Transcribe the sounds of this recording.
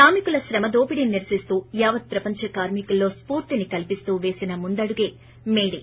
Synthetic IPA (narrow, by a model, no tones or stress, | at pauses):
saːmikulɐʃɾɐmɐd̪o̞ːpiɽiniɾsist̪uːjaːʋɐt̪̚pɾɐpɐɲt͡ʃɐkaːɾmikɐlːo̞ːspuːɾt̪inikɐlpist̪uːʋe̞ːsinɐmund̪ɐɽuɡe̞ː | meːɽi